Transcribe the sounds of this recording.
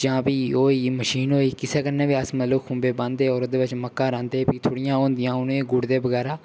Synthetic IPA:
d͡ʒãːpiːoːiːməʃiːnɦoːiːkɪseːkəɾneːʋiːəsmət̪ləbkʰʊ̃ːmbeːbãːnd̪eːɔːɾoːd̪eːʋɪt͡ʃməkːãːɾãːnd̪eːpiːt̪ʰoːɽɪjãːɦõːnd̪ɪjãːʊnẽːeːɡʊɽd̪eːbəɡɛːɾaː

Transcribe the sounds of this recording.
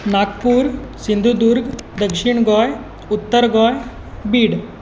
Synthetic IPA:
nakpuːɾsind̪ʱud̪uɾɡd̪əkʂiɳɡɔj | ut̪ːəɾɡɔj | biːɽ

